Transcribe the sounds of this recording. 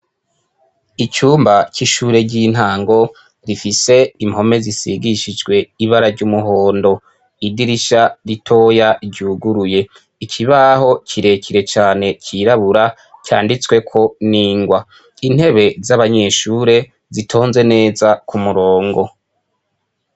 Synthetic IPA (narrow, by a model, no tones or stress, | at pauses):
it͡ʃuːmbaciʃuːɾe̞ɟiːn̥haːŋɡo̞ | ɾifise̞imho̞me̞zisiɡiʃid͡ʒɡwe̞iβaɾaɾɟumuɦo̞ːndo̞ | idiɾiʃaɾitʰo̞ːjaɟuːɡuɾuje̞ | icʰiβaho̞cʰiɾe̞cʰiɾe̞t͡ʃaːne̞cʰiɾaβuɾa | cʰa̰ːndit͡swe̞kʰo̞niːŋɡwa | in̥he̞βe̞zaβaɲe̞ʃuːɾe̞ | zitʰo̞ːnze̞ne̞ːzakumuɾo̞ːŋɡo̞